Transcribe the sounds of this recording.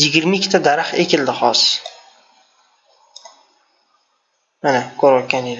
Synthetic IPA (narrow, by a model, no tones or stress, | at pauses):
ɪɡʲɪɾmaɪkʲːt̪ʰad̪aɾaχekʲʰɪld̪ɪχɒs | manakʲʰɵɾɒt̪̚kʲʰaned̪